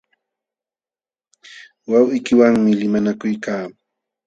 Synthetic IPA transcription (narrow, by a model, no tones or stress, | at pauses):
wawɪkɪwaŋmɪlɪmanakʊjkaː